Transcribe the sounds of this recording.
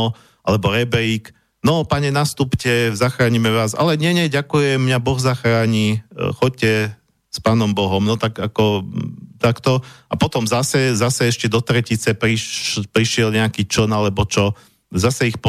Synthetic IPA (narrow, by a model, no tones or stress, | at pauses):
ɔ | alɛbɔɾɛbɾiːk | nɔpaɲɛnast̪upcɛzaxɾaːɲimɛʋaːza̰lɛɲɛɲɛɟakujɛmɲabɔɣzaxɾaːɲixɔc̚cɛ | spaːnɔmbɔɦɔmnɔt̪akakɔt̪akt̪ɔʔapɔt̪ɔmzasɛzasɛɛʃcɛd̪ɔt̪ɾɛcit͡sɛpɾipɾiʃɪɛlɲɛakiːt͡ʃɔnalɛbɔt͡ʃɔ | zasɛixpɔ